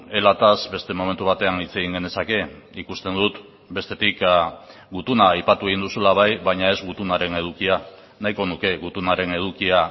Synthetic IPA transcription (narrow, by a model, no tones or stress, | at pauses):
e̞lat̪azbe̞st̪e̞mo̞me̞nt̪uβ̞at̪e̞anit͡se̞ɣiŋɡe̞ne̞sake̞ikust̪e̞nd̪ut̪ | be̞st̪e̞t̪ik | ɡut̪unaːjpat̪ue̞ɣ̞ind̪usulaβ̞ajβaɲae̞zɡut̪unaɾe̞ne̞ð̞ukia | najko̞nuke̞ɣut̪unaɾe̞ne̞ð̞ukia